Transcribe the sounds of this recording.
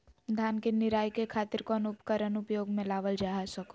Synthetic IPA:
d̪ʱaːnkenɪɾaːjkekʰaːt̪ɪɾkɔːnʊpkəɾənʊpjoːɡmẽlaːʋəld͡ʒaːɦasɐko

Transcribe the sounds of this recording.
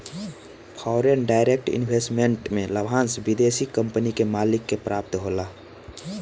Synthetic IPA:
pʰɔːɾenɖaːɪɾek̚ʈɪ̰nbʱesʈmẽɳʈmẽləbʱãːnsbid̪esikə̃mpənikemaːlɪkːepɾaːp̚t̪ɦoːla

